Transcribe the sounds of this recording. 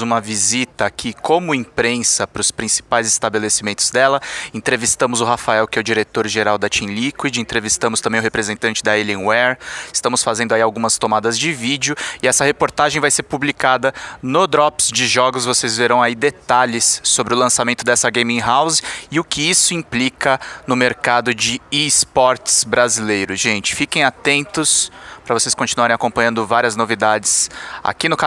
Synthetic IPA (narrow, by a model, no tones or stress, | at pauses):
ũmɐvizit̪ɐkʰɪkʰõmʊẽpɾẽsɐpɾʊspɾĩsi̥pajzɪst̪abelesimẽnt̪ʊzd̪ɛlɐẽnt̪ɾevist̪ɐ̃mʊzʊɦafaɛwkɪɛʊd͡ʒiɾet̪oɾʒeɾawd̪ɐt͡ʃĩlikwid͡ʒɪẽnt̪ɾevist̪ɐ̃mʊst̪ɐ̃mbẽj̃ʊhepɾezẽnt̪ɐ̃t͡ʃɪd̪ɐelẽwɛɾist̪ɐ̃mʊsfazẽnd̪ʊaiawɡũmɐst̪omad̪ɐzd͡ʒɪvid͡ʒʊɪɛsɐhepoɾt̪aʒẽj̃vajseɾpublikad̪ɐnʊd̪ɾɔpsd͡ʒɪʒɔɡʊsvosezveɾɐ̃w̃aid̪et̪aʎɪsːobɾɪʊlɐ̃samẽnt̪ʊd̪ɛsɐɡẽjmĩɦawzɪʊkɪisʊĩplikɐnʊmeɾkad̪ʊd͡ʒɪispɔɾt͡ʃsbɾazilejɾʊʒ̥ẽnt͡ʃɪ̥fikẽj̃at̪ẽnt̪ʊspɾɐvoseskõt͡ʃinuaɾẽakõmpɐ̃ɲɐ̃nd̪ʊvaɾiɐznovid̪ad͡ʒɪsa̰kinʊka